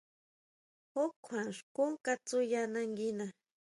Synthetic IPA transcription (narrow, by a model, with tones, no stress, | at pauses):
o˦kʷʰa˨ʂku˦ŋka˦t͡su˦jana˧ŋɡi˦na